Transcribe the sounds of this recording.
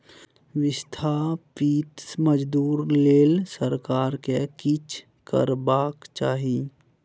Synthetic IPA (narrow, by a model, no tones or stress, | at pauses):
wɪst̪ʰaːpit̪məd͡ʒd̪uːɾleːlsəɾkaːɾkekɪt͡ʃʰ | kə̰ɾbaːkt͡ʃaːɦi